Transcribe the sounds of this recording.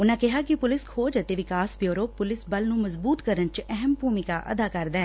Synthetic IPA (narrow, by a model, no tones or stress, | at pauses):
ʊnãːkɪɦaːkɪpʊlɪskʰoːd͡ʒət̪eːʋɪkaːsbjoːɾoːppʊlɪsbəlnũːməzbuːt̪kəɾənt͡ʃɛɦəmbʱuːmɪkaːʔə̰d̪aːkəɾd̪aːɛː